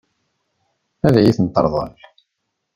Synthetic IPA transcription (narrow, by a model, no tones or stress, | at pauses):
æðʕiθənt̪ˤːə̰ɾˤðˤə̰l